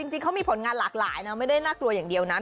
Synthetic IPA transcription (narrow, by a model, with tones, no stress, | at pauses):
i˧ŋt͡ɕi˧ŋkʰwmiː˧pʰo˩˦nŋaː˧nlaː˨˩k̚la̰ː˩˦jna˦˥ma˥˩jda˥˩jnaː˥˩klu˧əjaː˨˩ŋdi˧˩əwna˦˥